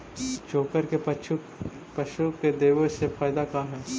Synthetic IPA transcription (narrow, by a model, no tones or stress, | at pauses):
d͡ʒoːkəɾke | pɐʃuked̪eːʋəsefaːjd̪akaɦɛː